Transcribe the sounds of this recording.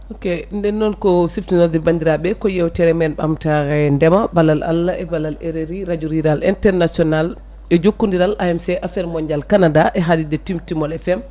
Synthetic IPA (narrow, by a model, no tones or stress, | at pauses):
okɛndɛnːɔnkɔsiftinaldɛbandiɾaɓɛkɔjɛwtɛɾɛmɛnɓa̰mtaɾɛndɛmabalalʔa̰lːaʔɛbalaleɾeɾiɾad͡ʒuɾiɾalɛntɛɾnasiɔnal | ɛd͡ʒokːundiɾalʔaɛmsɛʔafɛɾmɔɲd͡ʒalkanadaʔɛɦadidɛtimtimɔlɛfɛm